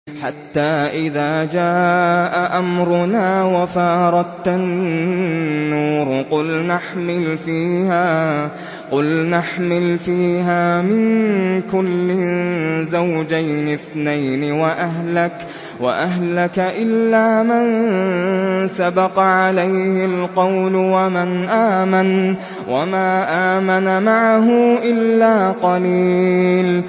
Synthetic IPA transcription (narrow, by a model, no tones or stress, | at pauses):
ħat̪ːaːʔɪðaːd͡ʒaːʔaʔamɾʊnaːwafɑːɾˤɑt̪an | uːɾqʊlnaħmɪlfiːhaː | qʊlnaħmɪlfiːɦaːmɪnkʊlːɪzawd͡ʒajnɪθnajnɪwaʔaɦlak | wa̰ʔaɦlakaʔɪlːaːman | sabɑqʕalajhɪlqɑwlʊwamɪnʔaːman | wʔamaːʔaːmanamaʕaɦʊʔɪlːaːqɑliːl